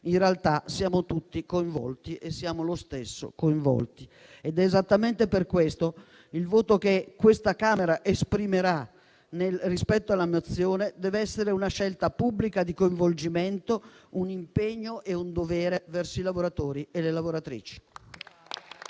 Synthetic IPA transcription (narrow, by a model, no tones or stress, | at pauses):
inrealt̪asjaːmot̪ut̪ːikoiɱvɔ̰lt̪iʔesːjaːmolost̪esːo̰koiɱvɔ̰lt̪i | ed̪ɛːzat̪ːament̪eperkwest̪o | ilvoːt̪okekːwest̪akaːmeɾaʔespɾimeɾa | nelrispɛt̪ːoalːamot̪sːjoːned̪ɛːveɛsːeɾeunaʃɛlt̪apubːlikad̪ikoiɱvold͡ʒiment̪ounimpeɲːoʔeund̪ovɛːɾevɛrsoilavoɾat̪oːɾielelavoɾat̪ɾḭːt͡ʃi̥